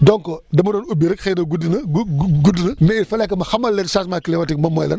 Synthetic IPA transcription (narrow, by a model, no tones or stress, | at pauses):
dɔŋkɔdɐmɐdɔnubiɾəkxɛnɐɡudnɐɡudinɐmɛifɐlɛkːɐmɐxɐmɐlːɛnsaːsmaːklɛwɐtik̚mɐmɔjlɐ̰n